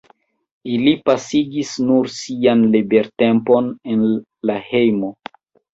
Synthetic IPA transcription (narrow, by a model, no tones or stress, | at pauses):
ilipasiɡisnuɾsianlibe̞ɾte̞mpo̞nen | lahe̞jmo̞